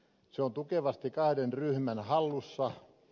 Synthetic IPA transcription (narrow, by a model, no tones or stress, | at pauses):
seont̪ukeʋɑst̪ikɑhdenryhmænhɑlːusːɑ